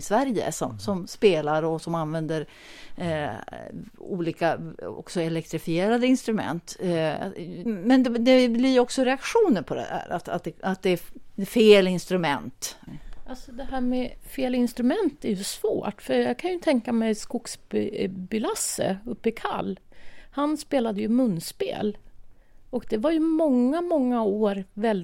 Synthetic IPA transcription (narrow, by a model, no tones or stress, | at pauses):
svæɾjə̰sɔ̰msɔmspeːlaɾɔsɔmanvɛnd̪əɾ | ṵːliːkaɔ̰ksɔɛlɛk̚t̪ɾɪfɪeːɾad̪əɪnst̪ɾɵmɛ̰nt̪ | mɛnd̪ɛd̪ɛbliɾɔksɔɾɛakɧuːnəɾpʰɔd̪ɛ̰d̪æ̰ːɾa̰t̪a̰t̪̚d̪ɛat̪̚d̪ɛæfeːlɪnst̪ɾɵmɛnt̪ʔalsɔd̪ɛɦæːɾmɛfeːlɪnst̪ɾɵmɛnt̪æɾjɵsvo̰ːʈfœɾjɑːɡkʰanjɵt̪ʰɛŋkamɛjskʊksbʏlasːə̰ɵpːɪkʰa̰lːhanspeːlad̪əjɵmɵnːspḛːl | ɔkd̪ɛvaɾjɵmɔŋːamɔŋːaoːɾvɛl